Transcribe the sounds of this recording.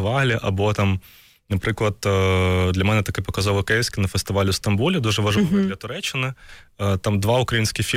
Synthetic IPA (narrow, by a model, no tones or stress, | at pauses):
ʋaɣlʲɪʔɐbot̪am | nɐpɾɨklˠɐt̪ːd̪lʲɐmʲɛnɛt̪ɐkojʲpɐkɐzovɨkɛjɪsʲkʲɪnɐfɨst̪ɨʋalʲɪst̪ɐnbulʲɪd̪oʐɨʋɐʐɐlʲat̪ʊɾɛt͡ɕːɪnɨt̪amd̪vaʊkɾɐinsʲkʲɪxfʲi